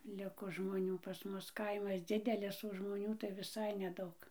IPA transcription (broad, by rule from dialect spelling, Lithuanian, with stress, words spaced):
ˈlʲɪkoː ʒmoːˈnʲuː pɐs ˈmʊs ˈkɐɪmɐs ˈd͡zʲɪdʲɛlʲɪs oː ʒmoːˈnʲuː tɐɪ ʋʲɪˈsɐɪ nʲɛˈdɐʊk